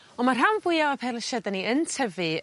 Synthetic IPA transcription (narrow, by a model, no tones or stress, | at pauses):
ɔmarɦanvʊjaɔpʰɛləʃɛdaniəntʰəvɨ